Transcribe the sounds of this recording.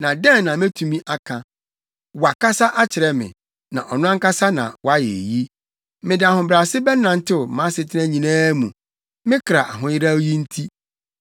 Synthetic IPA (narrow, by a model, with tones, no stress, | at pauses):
nã˨dɛ̃˦nː˨ã˨m˦ɛ˦tʰu˨mĩ˦ʔa˨kʰã˨ | wa˨ka˦sa˦ʔa˦t͡ɕʰɪ˨ɾɛ˦mɪ̰̃˨ | nã̰˨ʔɔ˨nʊ̃˦a˦ŋ˦ka˦sa˦nã̰˨wʔa˦jɛ̰˨ji˦ | mɪ̃˨dɪ˨a˨hʊ̃˨bɾa˨sɪ˦bɛ˦nːã˨n̩˦tʰɪ˦˨mã˨˦sɪ˨tʰɪ˦nã˦ɲĩ˨nãː˦mũ˨ | mɪ̃˦kʰɾa˨ʔa˨ɦʊ̃˦jɪ˦ɾa˦wji˦n̩˦tʰi˦